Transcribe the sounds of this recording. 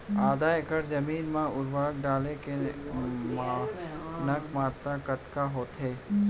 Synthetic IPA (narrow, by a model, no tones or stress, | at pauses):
aːd̪aːekəɾd͡ʒɐmiːnmãʊɾbaːkɖaːleke | m | nɐkʰmaːt̪ɾakət̪kaɦoːt̪ɦeː